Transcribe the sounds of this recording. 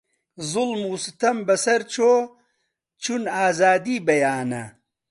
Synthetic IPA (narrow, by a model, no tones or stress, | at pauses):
zulmuːsit̪ɐmbɐsɐɾt͡ɕʰo | t͡ʃʰunaːzaːd̪iːbɐjaːnɐ̰